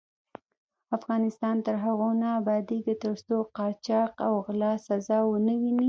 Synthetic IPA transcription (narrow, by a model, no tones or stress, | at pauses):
afɣɑnɪst̪ɑnt̪əɾɦaɣonaːbɑd̪id̪ət̪əst̪oqɑt͡ʃɑqawɣlɑsazɑwənəwini